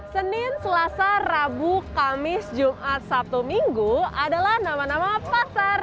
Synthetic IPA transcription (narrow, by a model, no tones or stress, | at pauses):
sənɪnsəlasarabukamɪsd͡ʒumʔat̪̚sap̚t̪umiŋɡuadalahnamanamapasar